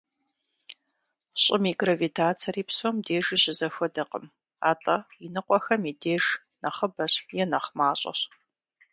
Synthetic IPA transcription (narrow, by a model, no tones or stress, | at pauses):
ɕʼɪmiɡrɐvitʰaːt͡sʰɐriːpsoːmdeːʒiɕɪzɐxʷɔdɐqə̰m | a̰ːtʼɐinɨqʷʼɔxɐmideːʒ | nɐχəbɐɕjɛnɐχmaːɕʼɐ̰ɕ